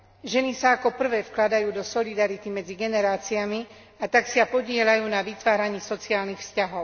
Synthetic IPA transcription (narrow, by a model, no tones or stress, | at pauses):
ʒɛnisaːkɔpr̩ʋɛːfklad̪ajuːd̪ɔsɔlid̪aɾit̪imɛd͡ziɡɛnɛɾaːt͡siami | at̪aksɪapɔɟɪɛlajuːnaʋit̪ʋaːɾaɲiːsɔt͡siaːlnixfscaɦɔʊ